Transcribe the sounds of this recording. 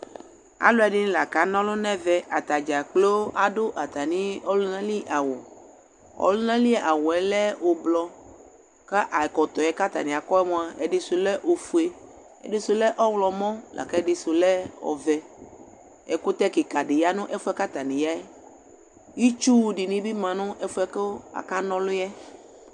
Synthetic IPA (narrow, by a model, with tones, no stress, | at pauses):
a̰˨˦lo˦ɛ˨ɖi˦nĩ˦la˨ka˨˦nɔ̃˦lo˦nɛ̃˦vɛ˦ʔa˨t̪a˨d͡ʒa˨k͡plo˦a˨do˦ʔa˨t̪a˨nĩ˦ɔ˦lu˦nã˦li˦ʔa˨wɔ˨ | ɔ̰˦lo˦nã˦li˦˨ʔa˨wɔ˨ɛ˦lɛ˦wo˨blɔ˦ | ka˦ʔa˨kɔ˨t̪ɔ˨ɛ˦ka˦t̪a̰˨nĩ˨a˨kɔ˦ɛ˦mɔ̃˦a˨e˨ɖi˦su˨lɛ˦ʔo˨fu˨e˦ | ɛ̰˨de˨su˨lɛ˦ʔɔ˦wlɔ˨mɔ̃˦lʔa̰˨kɛ˦dɪ˨so˨lɛ˦ɔ̰˨vɛ˦ | ɛ˨ko˦t̪ɛ˦ki˨ka˨ɖe˨ja˦nʊ̃˦ʔɛ˦fu˦ɛ˦ka˦t̪a˨nĩ˨ja˦ɛ˦ | ji˦t͡ʃu˦ɖi˨nĩ˦bi˦mã˨nɔ̃˦ʔɛ˦fu˦ɛ˦ke˦wo˦a̰˨ka˦nɔ̃˦lʊ˦ɛ˦